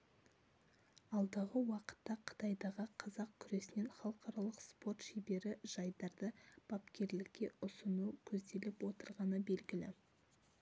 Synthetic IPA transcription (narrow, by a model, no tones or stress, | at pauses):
ɑlˠd̪əʁəwɑqə̥t̪ːɑqʰə̥t̪ɑjd̪ɑʁəqʰɑzɑq̚kʲʰʏɾe̞sɪne̞nχɑlˠəqʰɑɾɑlˠəqspo̞rt̪ʃejbe̞ɾɪʒ̥ɑjd̪ɑɾd̪əb̥ɑpkʲʰe̞ɾlɪkʲːe̞ʊsənukʲʰɵzd̪e̞lɪpwo̞t̪əɾʁɑnəbe̞lɡʲɪlɪ̰